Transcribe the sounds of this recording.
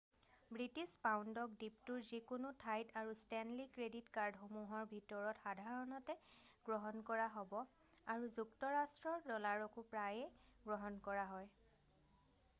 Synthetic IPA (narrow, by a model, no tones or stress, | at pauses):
bɹitispawndɔk̚diptuɹzikʊnʊtʰajtaɹustɛnlikɹeditkaɹdxomuɦɔɹbʱitɔɹɔtxadʱaɹɔnɔtɛɡ̥ɹɔɦɔnkɔɹaɦɔbɔ | aɹuzuktɔɹastɹɔɹdɔlaɹɔkʊpɹajɛɡɹɔɦɔnkɔɹaɦɔj